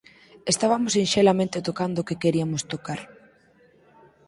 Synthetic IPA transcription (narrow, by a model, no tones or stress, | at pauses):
est̪aβamʊsinʃelamẽnt̪et̪okand̪ʊkekeɾiamʊst̪okaɾ